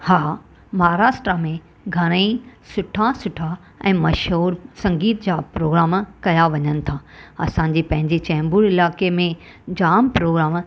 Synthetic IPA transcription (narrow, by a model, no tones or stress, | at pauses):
haː | mɐɦaɾaːʃʈɾamẽ | ɡʱɐɽ̃əisʊʈʰãsʊʈʰa | ɛ̃ːmɐʃɦuːɾsɐ̃ŋɡiːt̪d͡ʑaːpɾoːɡɾaːmkɐjaʋɐɲənɪ̆t̪ʰaɐ̰sãɲ̆d͡ʑipɐ̃ɦɪ̃ɲd͡ʑit͡ɕɛ̃ːmbuːɾɪlaːkemẽ | d͡ʑaːmpɾoːɡɾaːm